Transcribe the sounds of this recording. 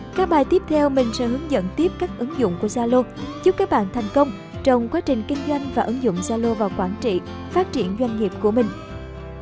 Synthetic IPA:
kaː˦˥k̚ɓaː˨˩jt̪i˦˥p̚t̪ʰɛ˧wmï˨˩ŋ̟sɛ̰˧˥ɦɨ˨˦əŋzə̰˧˨nt̪i˦˥əp̚kaː˦˥k̚ʔɨ˨˦ŋzʊ̰˧˨ŋ͡mku˧˩əzaː˧lo˧zu˦˥p̚kaː˦˥k̚ɓa̰ː˧˨nt̪ʰɛ˨˩jŋ̟kə˧wŋ͡m | t͡ɕə˨˧˩wŋ͡mkwaː˨˦˥t͡ɕï˨˩ŋ̟kï˧ŋ̟zwa˧jŋ̟vaː˨˩ʔɨ˨˦ŋzʊ̰˧˨wŋ͡mzaː˧lo˧vaː˨˩wkwaː˧˩nt͡ɕḭ˧˨ | faː˦˥t̚t͡ɕi˧˩ənzwa˧jŋ̟ŋi˨˩əp̚ku˧˩əmï˨˩ŋ̟

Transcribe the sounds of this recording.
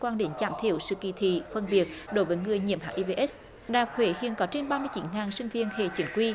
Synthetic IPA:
kwaː˧nɗe˨˦nt͡ɕaː˧˩mt̪ʰi˧˩əwsɨ̰˧˨kḭ˧˨˩t̪ʰḭ˧˨fə˧˩nɓi˨˩ət̚ɗo˨˦jvəː˨˦jŋɨ˨˩əjɲḭ˧˨əmha̰ː˧ʔi˧ve˧ʔɛ˦˥s | ɗaː˨˩p̚hwe˧˩˦hḭ˧˨ənkɔ˨˦t͡ɕe˧nɓaː˧mɨ˧ət͡ɕi˨˦nŋaː˨˩nsï˧ŋ̟vi˧ənhḛ˧˨˩t͡ɕi˨˦ŋkwi˧

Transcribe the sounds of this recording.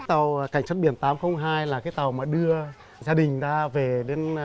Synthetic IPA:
t̪a˨˩wka˧˩jŋ̟sə˦˥ɓi˧˩ənt̪aː˨˦mxə˧wŋ͡mɦaː˧jlaː˨˩kaː˨˦jt̪a˨˩wmaː˨˩ɗɨ˧ə | zaː˧ɗï˨˩ŋ̟zaː˧ve˨˩ɗe˨˦n

